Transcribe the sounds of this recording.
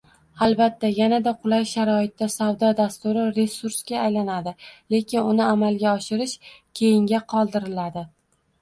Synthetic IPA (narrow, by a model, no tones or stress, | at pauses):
alˠbat̪ʰːajanad̪aqʰʊlˠajʃaɾɒɪt̪ːasawd̪ɒd̪ast̪ʊɾɪɾe̞suɾsɡʲaːjlanad̪ɪle̞kʲɪnʊnɪamalɡʲaɒʃɪɾɪʃkʲʰe̞jɪŋɡʲaqʰɒlˠd̪ɪɾɪlad̪ɪ